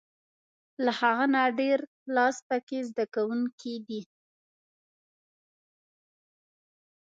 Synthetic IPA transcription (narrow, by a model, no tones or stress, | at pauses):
lahaɣanaɖeɾ | lɑsp̪akezd̪akawuŋkʰid̪i